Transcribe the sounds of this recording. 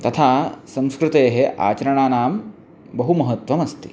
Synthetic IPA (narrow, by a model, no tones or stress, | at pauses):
t̪ɐt̪ʰaːsɐ̃mskɾut̪eːɦeʔa̰ːt͡ʃɐɾɐɳ̃aːnaːm | bɐɦumɐɦɐt̪ʋɐmɐst̪i̥